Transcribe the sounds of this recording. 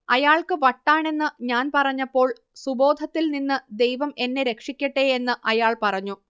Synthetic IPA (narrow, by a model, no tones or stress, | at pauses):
ɐjaːɭkɨʋɐʈːaːɳe̞nːɨɲaːnpɐrɐɲːɐpːo̞ːɭ | subo̞ːd̪ʱɐt̪ːilninːɨd̪e̞jʋɐme̞nːe̞ɾe̞kʂikʲːɐʈːeːenːɨʔɐjaːɭpɐrɐɲːu